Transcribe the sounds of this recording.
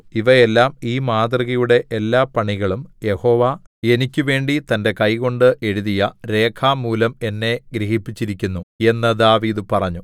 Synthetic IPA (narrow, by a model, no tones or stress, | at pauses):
iʋɐe̞lːaːmiːmaːd̪rɐɣɐjuɽe̞ʔelːaːpɐɳiɣɐɭumje̞ho̞ːʋae̞nikʲːɨʋe̞ːɳɖit̪ɐnde̞kɐjko̞ɳɖɨʔe̞ɻuðijɐɾe̞ːkʰaːmuːlɐme̞nːe̞ɡɾiɦipːit͡ɕːiɾikʲːunːue̞nːɐd̪aːʋiːd̪ɨpɐrɐɲːu